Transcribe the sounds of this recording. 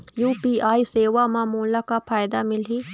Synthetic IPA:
juːpiːaːjseːʋamãmoːlakapʰaːjd̪amɪleː

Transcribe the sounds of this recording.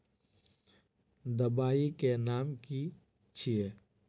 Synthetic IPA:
d̪əbaːikenaːmki | t͡ʃʰie

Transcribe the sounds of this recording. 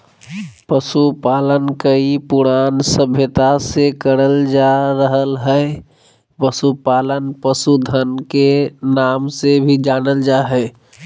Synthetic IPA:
pəsupaːlənkəipʊɾaːnsəbʱjət̪asekəɾəld͡ʒaɾəɦəlɦɛ | pəsupaːlənpəsud̪ʱənkenaːmsebʱid͡ʒaːnəld͡ʒaɦɛː

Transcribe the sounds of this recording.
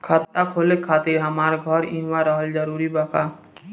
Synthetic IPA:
kʰət̪ːakʰolekʰat̪iɾɦəmaɾɡʱəɾḭnwaɾəɦəld͡ʒəɾuɾibəka

